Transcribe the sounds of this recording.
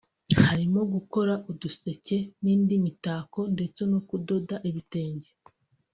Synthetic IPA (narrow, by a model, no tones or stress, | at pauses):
haɾimo̞ɡuko̞ɾaʔuduse̞ce̞niːndimitaːko̞nde̞t͡se̞nokudo̞daʔiβite̞ːɲɟe